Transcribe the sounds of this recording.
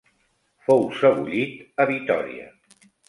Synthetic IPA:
fowsəβuʎit̪əβit̪ɔ̰ɾḭə̰

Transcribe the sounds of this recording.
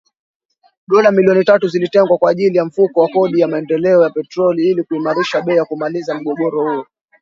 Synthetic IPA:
ɗɔlamiliɔnitatuzilitɛŋɡwakwaːʄilijam̩fukɔwakɔɗijamaɛndɛlɛɔjapɛtɾɔliilikuimaɾiʃaɓɛːjakumalizam̩ɠɔɠɔɾɔhuɔ

